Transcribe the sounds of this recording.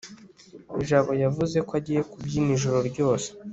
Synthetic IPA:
iʒaβo̞javuze̞koaɟiːje̞kubɟiːmiʒoɾo̞ɾɟo̞ːse̥

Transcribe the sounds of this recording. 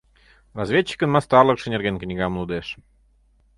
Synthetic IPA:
rɑzvʲet͡ɕːi̥kənmɑst̪ɑrləkʃə̆nʲerɣenknʲiɣɑmlˠud̪eʃ

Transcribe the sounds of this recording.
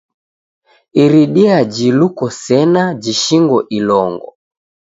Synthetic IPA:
iɾiɗiad͡ʒilukɔsɛnad͡ʒiʃiŋɡɔʔilɔŋɡɔ̰

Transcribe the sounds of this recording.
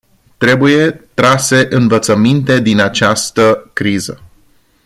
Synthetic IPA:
t̪ɾe̞buje̞t̪ɾase̞ʔɨnvət̪səmint̪e̞d̪inat͡ʃast̪əkɾizə

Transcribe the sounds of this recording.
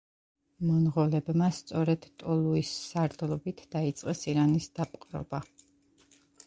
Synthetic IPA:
mɔnʁɔlɛbmast̪sʼɔɾɛd̪̥t̪ʼɔlˠuisːaɾd̪lˠɔbit̪ʰd̪̥ait̪sʼqʼɛsiɾanisd̪̥apʼqʼɾɔ̰ba

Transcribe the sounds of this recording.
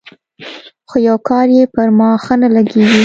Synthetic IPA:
xojawkɑɾjepəɾmɑxənalaɡewi

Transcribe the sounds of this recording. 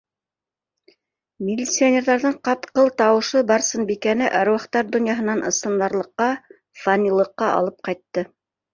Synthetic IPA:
mʲɪlʲːit̪sionʲeɾðɑɾðɤɴqɑpqɤlˠt̪ɑwɤ̆ʃɤbɑɾsɤnbikænɘʔɑɾwɑqt̪ɑɾd̪ŏnjɑɦɤ̆nɑnʔɤ̆sɤ̆nd̪ɑɾlˠɤ̆qːɑ | fɐnʲilˠɤ̆qːɑʔɑ̰lˠɤp̚qɑjt̪ːɤ

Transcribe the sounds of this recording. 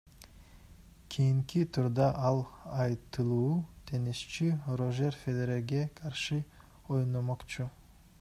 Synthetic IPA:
kʰijiŋkit̪ʰuɾd̪ɑʔɑlˠɑjt̪ɯlˠuːt̪ʰe̞niʃt͡ʃiro̞ʒe̞rfʲed̪eɾeɡe̞qʰɑɾʃɯ | o̞jnomoqt͡ʃu

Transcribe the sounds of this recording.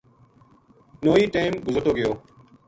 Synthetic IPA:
noːiːʈeːmɡʊzət̪oːɡɪjoː

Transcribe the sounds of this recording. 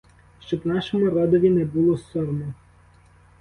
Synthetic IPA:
ʃt͡ʃɔbnɑʃɔmʊɾɑd̪ɔʋʲinɛbulˠɔsɔɾmɔ

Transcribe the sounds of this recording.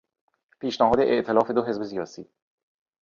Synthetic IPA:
piːʃnæɦɒːd̪eʔeʔt̪ʰelɒːfe̞d̪oɦe̞zbe̞sijɒːsiː

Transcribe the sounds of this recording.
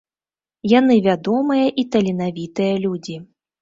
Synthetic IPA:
janɨvʲad̪ɔmɨjɐʔit̪ɐlʲinavʲit̪ɨjɐlʲud͡zʲi

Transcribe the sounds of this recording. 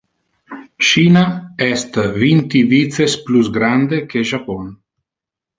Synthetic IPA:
ʃiːnaɛst̪vint̪ivit̪sesplusɡɾand̪ekeʒapɔn

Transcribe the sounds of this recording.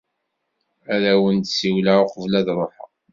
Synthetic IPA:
æðæwənt̪siwlaʊqəvlæðɾˤoħa̰

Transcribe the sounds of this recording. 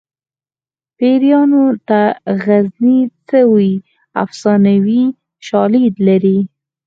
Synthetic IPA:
peɾjɑnot̪aɣaznit͡səwi | a̰fsɑnawi | ʃɑlid̪laɾi

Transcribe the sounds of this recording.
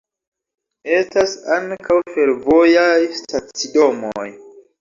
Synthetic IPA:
e̞stasaŋkawfe̞ɾvo̞jajstat͡sido̞moj

